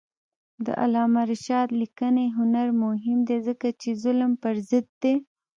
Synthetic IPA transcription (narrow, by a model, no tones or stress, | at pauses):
d̪ə̰ʔa̰lɑmaɾʃɑd̪likəneɦʊnaɾmʊɦɪmd̪ezəkat͡ʃezʊlmpəɾzɪd̪̚ːe